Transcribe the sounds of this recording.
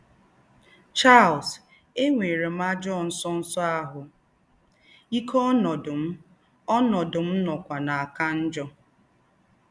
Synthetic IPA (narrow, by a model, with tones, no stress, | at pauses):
t͡ʃa˦˨ls | e˦ŋʷe˨ɾe˨m̩a˦d͡ʒɔ˦˨n̩˦sɔ˦n̩˦sɔ˦a˦ɦʊ˨ | i˦kʰɔ˦nɔ˨dʊ˨m̩˦ | ɔ˦nɔ˨dʊ˨m̩˦nɔ˨kʷa˨na˨a˨ka˦n̩˦d͡ʒɔ˦